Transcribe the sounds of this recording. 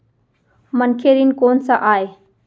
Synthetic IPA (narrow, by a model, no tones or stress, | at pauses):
mənkʰeːɾinkoːnsaʔaːe